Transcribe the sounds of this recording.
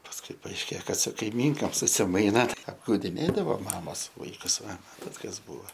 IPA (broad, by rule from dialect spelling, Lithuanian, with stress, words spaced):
pɐsˈkʊɪ pɐɐɪʃʲˈkʲeː ˈkɐt sʊ kɐɪˈmʲiːŋkoːm sʊsʲɪˈmɐɪnɐ ɐbɡɐʊdʲɪˈnʲeːdɐʋoː ˈmɑːmoːs ˈʋɐɪkʊs ˈʋɐ ˈmɑːtɐt kɐs ˈbuːʋɐ